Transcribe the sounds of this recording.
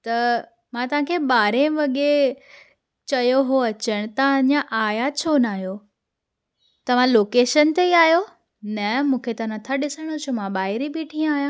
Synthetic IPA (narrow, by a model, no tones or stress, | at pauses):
t̪ɐ | mãt̪ɐʋ̤ãkʰeːɓaːɾẽʋɐɠe | t͡ɕɐjoɦoɐt͡ɕəɽ̃t̪ãɲãʔaːjat͡ɕʰonaːɦijo | t̪ɐʋ̤ãloːkeːʃənt̪eiaːɦijo | nɐmũːkʰet̪ɐnɐt̪ʰaɗɪsəɽ̃ot͡ɕʰumãɓaːɦɪɾibiʈʰĩːə̃aːɦjãː